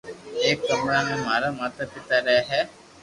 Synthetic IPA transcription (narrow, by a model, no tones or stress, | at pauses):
eːkːɐmaːmemɐɾɐmɐt̪ɐpit̪ɐɾæːɦɛ